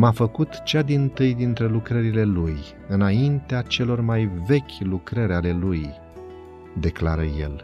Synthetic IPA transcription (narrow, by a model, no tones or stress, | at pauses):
mafəkut̪t͡ʃad̪int̪ɨjd̪int̪ɾe̞lukɾəɾile̞luj | ɨnaint̪eat͡ʃe̞lo̞rmajve̞kʲlukɾəɾʲale̞luj | d̪e̞kla̰ɾə̰je̞̰l